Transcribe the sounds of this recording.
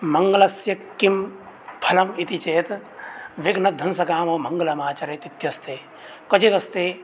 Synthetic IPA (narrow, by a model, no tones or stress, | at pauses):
mɐŋɡɐlɐsjɐkːim | pʰɐlɐmit̪it͡ʃeːt̪ʋeɡnɐd̪ʱɐnsɐkaːmoːmɐŋɡɐlɐmaːt͡ʃɐɾɐt̪it̪jɐst̪eː | kɐt͡ʃet̪ɐst̪eː